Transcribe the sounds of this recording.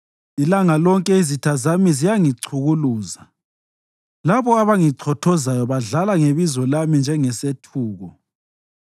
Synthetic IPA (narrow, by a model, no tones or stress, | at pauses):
ilaŋalɔŋkʼɛizitʰazamizijaŋiǀʰuɣuluːza | laβɔaβaŋiǀʰɔtʰɔzajɔβaɮalaŋeβizɔlamind͡ʒʱɛŋɛsetʰuːɣɔ